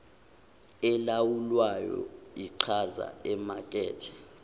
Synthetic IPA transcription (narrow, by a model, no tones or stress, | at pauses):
ɛlawulwajɔ̰iǀʰaza̰ɛmakʼɛ̰ːtʰɛ̥